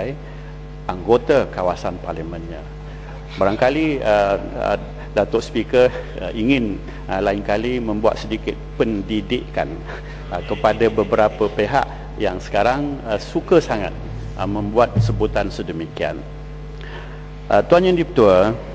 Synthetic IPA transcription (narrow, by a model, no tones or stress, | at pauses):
j | ʔaŋɡot̪akawasanparlimə̃nɲã | baɾaŋkaliə̰ | dat̪ɔʔspikəiŋɪn | laɪŋkalimə̃mbua̰t̪̚sədikɪt̪̚pəndidɪʔka̰n | əkəpadabəbəɾapəpeɦa̰ʔ | jaŋsə̥kaɾaŋəsukəsaŋa̰t̪̚ | əmə̃mbuat̪̚səbut̪ansədəmikia̰n | ʔət̪uanɲãdipət̪uə